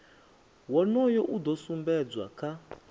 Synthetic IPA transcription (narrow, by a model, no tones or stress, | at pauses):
wɔnɔjɔʔud̪ɔsumbɛd͡zwa̰kʰa